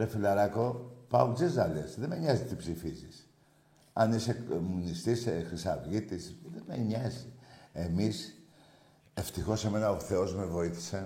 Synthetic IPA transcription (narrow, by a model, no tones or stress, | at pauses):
ɾefilɐɾɐko̞pɐozizɐlesðemeɲɐzit̪ipsifizis | ɐnisemunist̪isexɾisɐvʝit̪isðemeɲɐzie̞mis | e̞ft̪ixo̞se̞me̞nɐoθe̞o̞zme̞vo̞iθi̥se